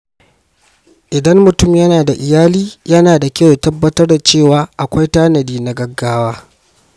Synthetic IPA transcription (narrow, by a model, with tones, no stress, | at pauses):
ʔɪ˨dɐ˦mːʊ˨tʊ˦˨mjɐ˦naː˨da˨ʔɪ˨jaː˦liː˦jɐ˦naː˨da˨kʲɐ˦wtɐ˦bːɐ˦tɐ˦rda˨t͡ʃeː˦˨waː˨˦ʔa˨kʷa˦jtaː˦nɐ˨diː˦na˦ɡɐ˦ɡːaː˦waː˦